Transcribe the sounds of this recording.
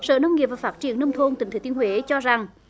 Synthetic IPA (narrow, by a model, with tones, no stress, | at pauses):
sə̰ː˧˨nə˧wŋ͡mŋi˨˩əp̚vaː˨˩faː˦˥t̚t͡ɕi˨˩ənːə˧wŋ͡mt̪ʰo˧nt̪ï˨ŋ̟t̪ʰe˧˩t̪ənhwe˨˦t͡ɕɔ˧za˨˩ŋ